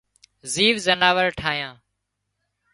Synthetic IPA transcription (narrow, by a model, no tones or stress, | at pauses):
ziːʋzənaːʋəɾʈʰaːjãː